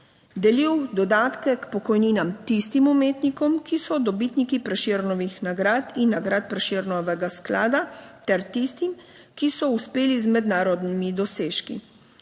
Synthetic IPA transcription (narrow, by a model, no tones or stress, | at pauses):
d̪ɛliwd̪ɔd̪aːt̪kɛkpɔkɔjniːnamt̪ist̪imumeːt̪nikɔmkisɔd̪ɔbiːt̪nikipɾɛʃeɾnɔʋixnaɡɾaːt̪inːaɡɾat̪̚pɾɛʃeɾnɔʋɛɡaskla̰ːd̪at̪ɛɾt̪ist̪im | kisɔuspeːlizmɛd̪naːɾɔd̪nimid̪ɔseːʃkḭ